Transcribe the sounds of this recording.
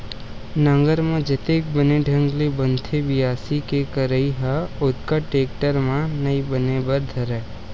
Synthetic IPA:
nə̃ŋɡəɾmãd͡ʒət̪eːkbəneɖʱə̃ŋɡlebənt̪ʰebɪjaːsikekəɾəiɦaʊt̪kaʈeːkʈəɾmãnɐibənebəɾd̪ʱɐɾɛː

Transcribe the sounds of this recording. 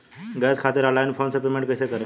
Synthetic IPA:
ɡəd͡zkʰat̪iːɾalajnfʰonsəpemẽɳʈkəjsekəɾẽ

